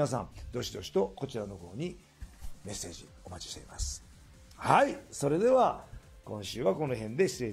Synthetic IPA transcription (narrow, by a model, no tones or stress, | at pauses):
as̬ã̰nd̪o̞ɕid̪o̞ɕi̥t̪o̞ko̞t͡ɕiɾano̞ho̞̰ːɲ̟i | me̞sːe̞ːd͡ʑḭ | o̞mat͡ɕi̥ɕt̪eima̰sɨ̥ | haiso̞ɾe̞d̪e̞βa | kõ̞ɰ̃ɕɨːβako̞no̞ɦẽ̞nd̪e̞ɕi̥seː